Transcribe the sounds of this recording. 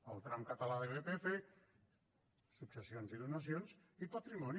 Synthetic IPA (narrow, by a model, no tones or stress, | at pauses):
əlˠt̪ɾamkat̪alaðelepefe | suksesjonziðunasjonzipat̪ɾimɔn